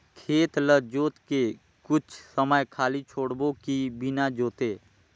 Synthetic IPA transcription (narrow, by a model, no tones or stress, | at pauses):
kʰeːt̪ləd͡ʒoːt̪ke | kʊt͡ʃʰsəməjkʰaːlit͡ʃʰoːɽbõkibɪnad͡ʒoːt̪eː